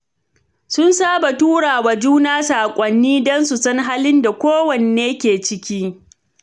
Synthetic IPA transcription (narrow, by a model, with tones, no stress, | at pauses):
sʊ˦nsaː˦ba˨tuː˦ɽaː˨waː˨d͡ʒuː˦naː˦saː˨kʷʼɐ˨nːiː˦dɔ˦nsu˨sɐ˦ŋɦaː˦lɪ˦nda˨kʷoː˦wɐ˨ne˨eː˦kʲeː˨t͡ʃɪ˦kʲiː˦